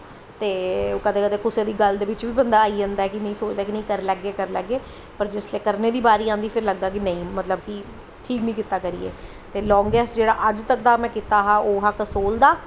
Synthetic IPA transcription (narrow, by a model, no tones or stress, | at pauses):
t̪eːkət̪eːkət̪eːkʊseːd̪iːɡəld̪eːʋɪt͡ʃʋiːbənd̪aːaːid͡ʒãːnd̪aːɛːkɪnəĩːsoːt͡ʃd̪aːkinəĩːkəɾlɛːɡeːkəɾləɡeː | pəɾd͡ʒɪsleːkəɾneːd̪iːbaːɾiːãːnd̪iːpʰɪɾləɡ̚d̪aːk̬inə̃ĩːmət̪ləb̚ki | ʈʰiːknĩːkɪt̪ːaːkəɾḭːḛː | t̪eːlɔ̃ːŋɡɛːsd͡ʒeːɽaːʔəd͡ʒt̪ək̚d̪aːmɛ̃ːkɪt̪aːɦaːʔoːɦaːkəsoːld̪aː